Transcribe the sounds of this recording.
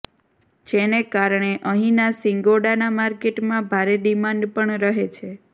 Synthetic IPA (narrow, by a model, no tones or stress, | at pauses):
d͡ʒenekaɾɳeʔəɦĩnasiŋɡoɽanamaɾkeʈmãbʱaɾeɖimãɳɖpəɳɾəɦet͡ʃʰe